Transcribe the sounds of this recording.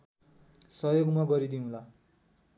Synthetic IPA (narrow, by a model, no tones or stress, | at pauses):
sʌjoɡmaɡʌɾid̪iũla